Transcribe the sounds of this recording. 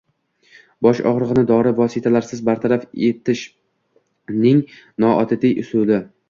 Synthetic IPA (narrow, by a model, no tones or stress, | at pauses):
bɒʃɒ̰ʁɾɨʁɨnɪd̪ɒɾɪvɒsɪt̪ʰalaɾsɪzbaɾt̪ʰaɾafe̞t̪ɪʃ | nɪŋ | nɒʔɒt̪ʰɪd̪ɪjʔʊsulɪ